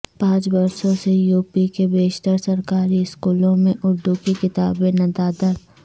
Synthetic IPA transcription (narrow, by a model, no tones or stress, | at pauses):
pãːt͡ʃbɐɾsõsejuːpikebeːʃt̪əɾsɐɾkaːɾiɪskuːlõmẽʔʊɾd̪ukikɪt̪aːbẽnɐd̪aːd̪əɾ